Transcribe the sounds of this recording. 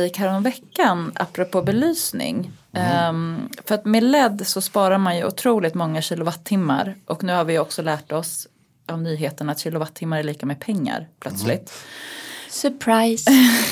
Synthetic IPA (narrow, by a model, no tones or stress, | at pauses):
ɪkhæːɾɔmvɛkːanʔa̰pːɾʊpʰoːbɛlyːsnɪ̰ŋ | fœɾat̪melɛd̪ːsɔspɑːɾaɾmanjɵʊ̰t̪ʰɾuːlɪt̪mɔŋːaɕiːlʊvat̪ʰːɪmːa̰ɾʔɔknʉ̟ːhaɾvɪjɔksɔlæːʈɔs | ʔɔmnyːɦeːt̪əɳaat̪ɕiːlʊvat̪ʰːɪmːaɾɛɭiːkamepʰɛŋːa̰ɾpʰlœt̪slɪt̪ | sœpʰɾaj